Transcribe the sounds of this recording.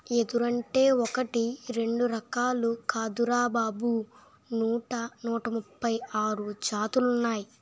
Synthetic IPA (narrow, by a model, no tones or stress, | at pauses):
e̞d̪uɾɐɳʈe̞ːɔkɐʈiɾe̞ɳɖuɾɐkaːlukaːd̪uɾaːbaːbu | nuːʈɐnuːʈɐmupːɐjaːɾut͡ʃaːt̪ulunːaːji